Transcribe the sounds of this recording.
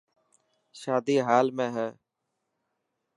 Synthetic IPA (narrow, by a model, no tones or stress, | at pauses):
ʃaːd̪iːɦaːlmẽːɦɛː